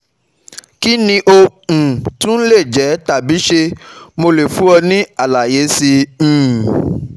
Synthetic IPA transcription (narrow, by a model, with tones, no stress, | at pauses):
ki˦nĩ˦ʔo˧ũ˨tũ˦n̩˦le˦˨d͡ʒɛ˨˦ta˨bi˨˦ʃe˧mo˧le˨fu˨˦ɔ˧nĩ˦a˦˨la˨je˨˦sĩ˧˨